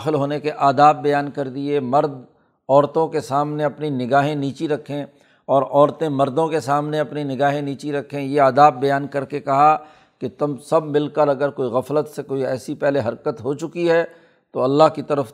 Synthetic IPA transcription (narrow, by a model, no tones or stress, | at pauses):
xɪlɦoːnekeʔaːd̪aːbːɐjaːnkɐɾd̪iemɐɾd̪ | ɔːɾt̪õkesaːmneɐpninɪɡaːɦẽniːt͡ʃiɾɐkʰːẽ | ɔːɾɔːɾt̪ẽmɐɾd̪õkesaːmneɐpninɪɡaːɦẽniːt͡ʃiɾɐkʰːẽjeaːd̪aːbːɐjaːnkɐɾkekɐɦa | ket̪ʊmsɐb̚ːɪlkəɾɐɡəɾkoːiɣɐflət̪sekoːiɛːsipɛɦleɦɐɾkət̪ɦot͡ʃʊkiɦɛ | t̪oɐlːaɦkit̪ɐɾəf